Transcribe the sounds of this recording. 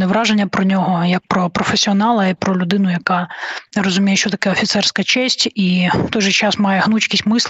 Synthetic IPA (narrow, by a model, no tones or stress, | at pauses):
neʋɾɑʒenʲːɐpɾɔnʲɔɦɔjɐk̚pɾɔpɾɔfesʲiɔnɑlˠɐipɾɔlʲʊd̪ɪnʊjɐkɑjɾɔzʊmʲijʊʃt͡ʃɔt̪ɐkɛɔfʲit̪sɛrsʲkɐt͡ʃɛsʲtʲi̥t̪ɔjʒɛt͡ʃɑsmɑjɛɦnut͡ʃkʲisʲtʲmɪsˠ